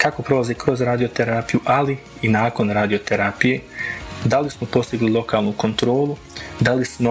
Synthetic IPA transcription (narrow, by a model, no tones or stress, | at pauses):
kako̞pɾo̞lazekɾo̞zɾaːd̪ijot̪eɾaːpijuʔali | inaːko̞nɾaːd̪ijot̪eɾaːpije̞ːd̪alismo̞po̞st̪iɡlilˠo̞kaːlˠnuko̞nt̪ɾo̞ːlu | d̪alismo